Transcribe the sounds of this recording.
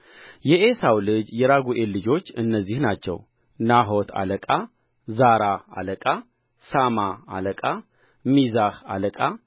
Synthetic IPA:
jɛʔesawlɨd͡ʒjɛɾaɡuʔelːɨd͡ʒo̞t͡ʃːɨnːəzːihnat͡ʃːɛ̰w | naɦo̞t̪ʰa̰ləkʼa | zaɾaa̰ləkʼa | samaa̰ləkʼa | mizaha̰ləkʼa

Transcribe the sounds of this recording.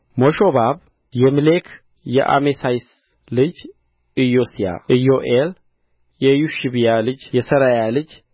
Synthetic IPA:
moʃobab | jɛmɨlekʰ | jɛ̰ʔa̰mesajs | lɨd͡ʒ | ɨjosija̰ɨjoʔel | jɛjuʃibijalɨd͡ʒjɛsəɾajalɨd͡ʒ

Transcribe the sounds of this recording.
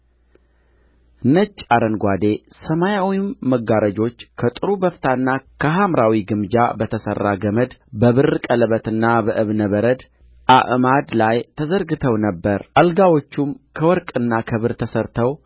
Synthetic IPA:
ɨnːət͡ʃʼːaɾənɡʷad̪e̞səmajawimːəɡaɾəd͡ʒo̞t͡ʃːkʰət̪ʼɨɾubəft̪ʰanːakʰəɦamɾawiɡɨmd͡ʒa̰bət̪ʰəsə̰rːaɡəməd̪bəβɨrkʼələβət̪ɨnːabəʔɨβnəβəɾəd̪ | ʔa̰ʔmad̪lajt̪ʰəzəɾɡɨt̪ʰəwnəbːəɾʔalɡawo̞t͡ʃːumkʰəwɔɾkʼɨnːakʰəβɨɾt̪ʰəsəɾt̪ʰəw

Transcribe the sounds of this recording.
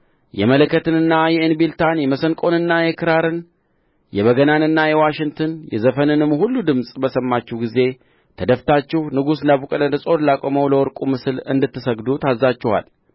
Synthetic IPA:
jɛmələkːət̪ɨnɨnːajɛenbilt̪ʰanjɛməsəŋkʼo̞nɨnːajɛkʰɨɾaɾɨn | jɛβəɡənanɨnːajɛwaʃɪŋɡt̪ʰɨnjɛ̰zəfənɨnɨmːhulːud̪ɨmsʼbəsəmːat͡ʃːɛhwɡize̞ | t̪ʰəd̪əft̪ʰat͡ʃːɛhnɨɡus̬ɨnd̪aβukʼəd̪əsʼo̞ɾlakʼoməwləwɔɾkʼumɨsɨlɨ̰nd̪ɨt̪ːɨsəɡd̪ut̪ʰazːat͡ʃːɛha̰l

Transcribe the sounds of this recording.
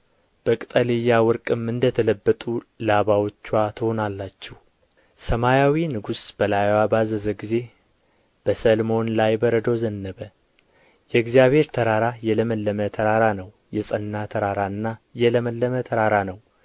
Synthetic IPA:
b̥əkʼt̪ʼəlijːawɨɾkʼɨmɨnd̪ət̪ʰələbːət̪ʼulaβawot͡ʃːwat̪ʰɨhonalːat͡ʃːɛh | səmajawinɨɡusb̥əlajwabazəzəɡize̞ | b̥əsəlmo̞nlajbəɾəd̪ozənːəβə | jɛɨɡzijaβhe̞ɾt̪ʰəɾaɾajɛləməlːəmət̪ʰəɾaɾanəw | jɛsʼənːat̪ʰəɾaɾaɨnːajɛləməlːəmət̪ʰəɾaɾanəw

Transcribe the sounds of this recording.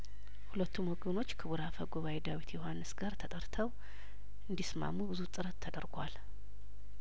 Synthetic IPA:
hulət̪ːumwɔɡəno̞t͡ʃːkʰɨβuɾafəɡuβawed̪awit̪ʰjohanːɨsɡaɾt̪ʰət̪ʼəɾt̪ʰəw | ʔɨnd̪isma̰mːubɨzut̪ʼɨɾət̪ːʰəd̪əɾɡʷal

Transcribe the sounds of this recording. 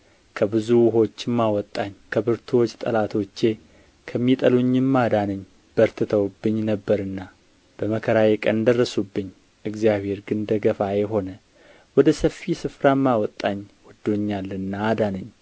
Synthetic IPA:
kʰəbɨzuwʊɦo̞t͡ʃːɪmːawɔt̪ʼːaɲkʰəbɨɾt̪ʰwot͡ʃːt̪ʼəlat̪ʰo̞t͡ʃːe̞ | kʰəmːit̪ʼəluɲːɨmːad̪anəɲː | b̥əɾt̪ʰɨt̪ʰəwubːɨɲːnəbːəɾɨnːa | b̥əməkʰəɾajekʼənd̪ərːəsubːɨɲː | ʔɨɡzijaβhe̞ɾɡɨnd̪əɡəfajeɦo̞nə | wɔd̪əsəfːisɨfɾamːawɔt̪ʼːaɲːwɔd̪ːo̞ɲːalːɨnːaːd̪anəɲː

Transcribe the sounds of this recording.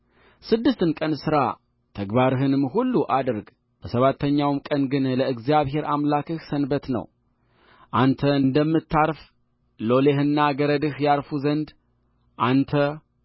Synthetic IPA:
sɨd̪ːɨst̪ɨnkʼənsɨɾa | t̪ʰəɡbaɾɨɦɨnɨmɦulːuʔad̪ɨɾɡ | b̥əsəβat̪ʰːəɲːawmkʼənɡɨnləɨɡzjaβɦe̞ɾamlakɨhsənbət̪nə̰w | ʔant̪ʰəɨnd̪əmːɨt̪ːaɾf | lo̞lehɨnːaɡəɾəd̪ɨhjaɾfuzənd̪ | ʔant̪ʰə

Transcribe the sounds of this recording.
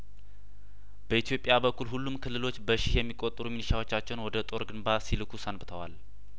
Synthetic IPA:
b̥əit̪ʰijo̞pʼɪjabəkʰːulɦulːumkʰɨlːɨlo̞t͡ʃːbəʃihjɛmːikʼot̪ʼɾuminiʃawo̞t͡ʃːat͡ʃːɛnwɔd̪ət̪ʼo̞ɾɡɨnbasilɨkʰusənbɨt̪ʰəwa̰l

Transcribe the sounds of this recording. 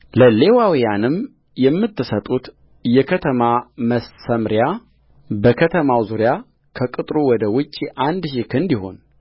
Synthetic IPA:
ləle̞wawijanɨm | jɛmːɨt̪ːɨsət̪ʼut̪ | jɛkʰət̪ʰəmaməsəmɾja | bəkʰət̪ʰəmawzuɾja | kʰəkʼɨt̪ʼɾuwɔd̪əwʊt͡ʃʼːiʔand̪ʃikɨnd̪iho̞n

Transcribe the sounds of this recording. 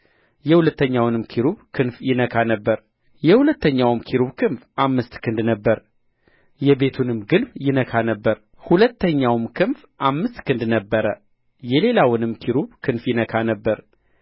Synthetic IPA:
jɛhulət̪ːəɲːawnɨmkʰiɾuβkʰɨnfjɪnəkʰanəbːəɾ | jɛhulət̪ʰːəɲːawmkʰiɾuβkʰɨnfʔamːɨst̪kʰɨnd̪nəbːəɾ | jɛbe̞t̪ʰunɨmɡɨnfjɪnəkʰanəbːəɾ | hulət̪ʰːəɲːawmkʰɨnf | ʔamːɨst̪kʰɨnd̪nəbːəɾə | jɛle̞lawɨnɨmkʰiɾuβkʰɨnfjɪnəkʰanəbːəɾ

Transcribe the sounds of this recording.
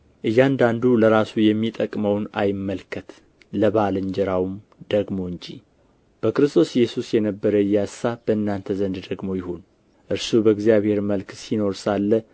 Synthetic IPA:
ʔɨjːand̪and̪uləɾasujɛmːit̪ʼəkʼməwna̰jɪmːəlkʰət̪ | ləβalɨɲd͡ʒɛɾawm | d̪̥əɡmo̞ɨɲd͡ʒi | b̥əkɾɨst̪ʰo̞sjːɛsusjɛnəbːəɾəɨjːasːab̥əɨnːant̪ʰəzənd̪d̪əɡmo̞jɪhon | ʔɨɾsubəɡzijaβhe̞ɾməlksino̞ɾsalːə

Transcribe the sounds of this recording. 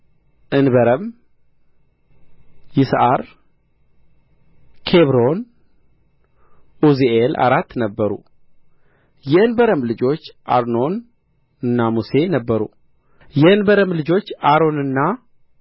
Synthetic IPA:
ʔɨnbəɾəm | jɪsʔaɾ | kʰe̞βɾo̞n | ʔuzielʔa̰ɾat̪ːnəbːəɾṵ | jɛɨnbəɾəmlɨd͡ʒo̞t͡ʃːʔa̰ɾno̞n | ɨnːamuse̞nəbːəɾṵ | jɛɨnbəɾəmlɨd͡ʒo̞t͡ʃːaɾo̞nɨnːa

